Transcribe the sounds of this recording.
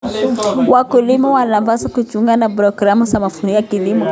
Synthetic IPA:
wʔakulimawalamvasakut͡ʃuŋɡanabɾɔɡɾamuzamafuɾijakilimɔ

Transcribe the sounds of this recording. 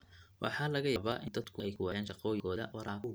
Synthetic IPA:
wʔɑ̰ħɑːlɐɣɐjɐβɐʔɪnd̪ɐd̪kʰʊɛjkʰʊwɑjɛːnʃɑqɔːjɪɡɔːðɐ̰wɑɾaːkʊ

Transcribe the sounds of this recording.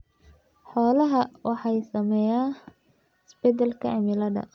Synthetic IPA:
ħɔːlɐɦɐwʔɑħɑjsɐmɛjaː | ɪsbɛd̪ɐlkʰɐɛmɪlɐd̪ɐ̰

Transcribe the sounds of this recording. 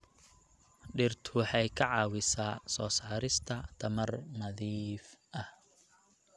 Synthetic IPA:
ɖɪrt̪ʰʊħɑjkʰɐʕɑːwɪsaːsɔːsaːɾɪst̪ʰɐt̪ʰɐmɐrnɐðiːfʔɐh

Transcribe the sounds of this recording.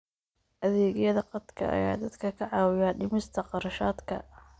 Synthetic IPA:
ʔɐðɛːɣjɐðɐqɑd̪kʰɐ̰ʔɐ̰ja̰ːd̪ɐd̪kʰɐkʰɐʕɑːwɪjaːɖɪmɪst̪ʰɐqɑɾɐʃaːd̪kʰɐ̰

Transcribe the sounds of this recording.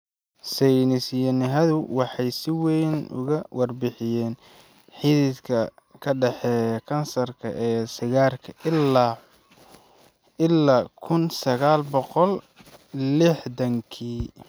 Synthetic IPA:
sɛjnɪsjɐnɪɦɐðʊwɑħɑjsɪwɛjnʊ̰ɣɐwɑrbɪħɪjɛːn | ħɪðɪd̪kʰɐ | kʰɐɖɛħɛːjɐkʰɐnsɐrkʰɐ̰ʔɛːsɪɣaːrkʰɐ | ɪlːaːkʰʊnsɐɣaːlbɔqɔl | lɪħdɐŋkʰiː

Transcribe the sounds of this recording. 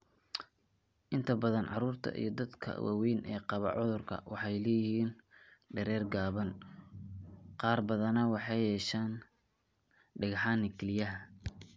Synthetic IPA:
ʔɪnt̪ʰɐbɐðɐnʕɑ̰ruːrt̪ʰɐ̰ʔḭjɞd̪ɐd̪kʰɐ̰wa̰wɛjnʔɛːqɑβɐ̰ʕʊðʊrkʰɐ̰wʔɑ̰ħɑjlɛːjɪhiːnɖɐɾɛːrɡaːβɐn | qɑːrbɐðɐnɐwɑħɑjhɛːʃaːn | ɖɪɣħɑːnɪkʰɪlɪjɐɦɐ

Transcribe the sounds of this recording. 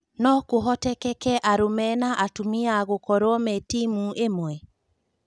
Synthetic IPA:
nɔkoɦɔtɛkɛkɛʔaɾomɛnaʔatumiaɣokɔɾwɔmɛtimuʔemwɛ

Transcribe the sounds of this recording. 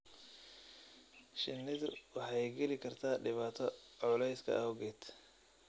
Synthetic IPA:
ʃɪnːɪðʊwɑħɑjɡɛlɪkʰɐrt̪ʰaːɖɪβaːt̪ʰɔʕʊlɛjskʰɐ̰ɔɡɛt̪ʰ

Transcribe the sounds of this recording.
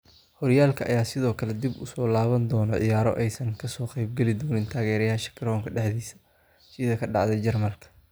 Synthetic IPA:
hɔɾjaːlkʰɐʔɐjaːsɪðɔːkʰɐlɛd̪ibʊ̰sɔːlaːβɐnd̪ɔːnɔʕɪ̰jaːɾɔ̰ʔɛjsɐŋkʰɐsɔːqɛjb̚ɡɛlɪd̪ɔːnɪnt̪ʰaːɣɛːɾjɐɦɐʃɐ̥ɡɾɔːŋkʰɐɖɛħd̪iːsɐ̥ | sɪðɐkʰɐɖɑ̰ʕðɛjd͡ʒɐrmɐlkʰɐ̥

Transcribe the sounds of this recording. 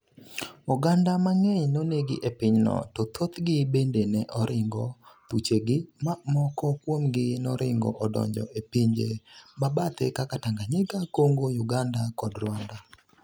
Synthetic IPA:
ʊɡandamaŋeɲnoneɡɪ̰ʔepɪɲnɔ̰tɔt̪ʰot̪ɡɪbendenɛʔɔɾɪŋɡɔt̪ut͡ʃeɡɪmamɔkɔkwomɡɪnɔɾɪŋɡɔ̰ʔɔdɔ̰ɲd͡ʒɔ̰ʔepiɲd͡ʒḛmabat̪ekakataŋɡaɲɪkakoŋɡojʊɡandakɔdɾwanda

